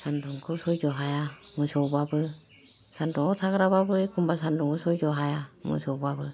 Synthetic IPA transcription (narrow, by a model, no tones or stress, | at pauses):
sandɔŋkʰɯsɔjd͡ʒɔɦajamɯsɔbabɯ | sandɔŋɔtʰaɡɯɾaβabɯjkʰumbasandɔŋɡɔsɔjd͡ʒɔɦajamɯ̰sɔwbabɯ